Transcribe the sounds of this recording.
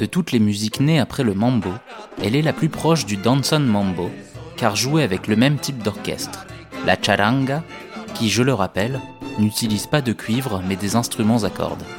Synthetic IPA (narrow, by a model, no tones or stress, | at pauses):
d̪̥ət̪ut̪lemyzikneapχɛləmɑ̃mboɛlɛlaplypχɔʃd̪yd̪ɑ̃nsɔnmɑ̃mbokaʁʒueavɛkləmɛmt̪ip̚d̪ɔʁkʲɛ̰st̪χ | lʔa̰t͡ʃaɾãɡa | kʲiʒələʁapɛlnyt̪ilizpad̪əkʲʰɥivʁmɛd̪ezɛ̃st̪χymɑ̃zakɔ̰ʁd̪